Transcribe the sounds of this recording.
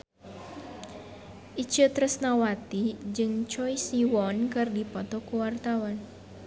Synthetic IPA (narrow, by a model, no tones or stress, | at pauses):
ʔit͡ʃət̪ɾəsnawat̪id͡ʒɨŋt͡ʃɔisiwɔnkɨrdipɔt̪ɔkuwart̪awan